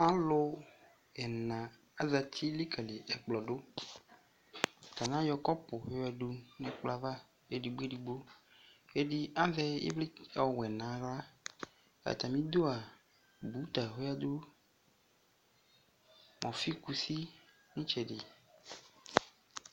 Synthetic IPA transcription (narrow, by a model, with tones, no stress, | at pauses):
ã˦lʊ˦ | ɛ˨nã˨ | a˦za˨t̪ʰi˦li˦ka˨le˨ʔɛ˨k͡plɔ˨ɖo˦˨ | t̪a˨nã˦jɔ˨kɔ˦pʊ˨ɦo˦ja˨ɖu˦nɛ̃˨k͡pla˦va˦ | e˦˨ɖi˨ɡ͡be˦ɖi˨ɡ͡bo˦ | e˦di˦a˦vɛ˦ḛ˦bli˦ɔ˨wɛ˨nã˨˦ɣla˦ | a̰˨t̪a˨mĩ˦d̪o˦a˨ | bu˨˦t̪a˨ɦe˦ja˦d̪o˦ | mʔɔ̃˨fi˦ku˨si˦ | nĩ˦t͡ʃɛ˨dɪ˨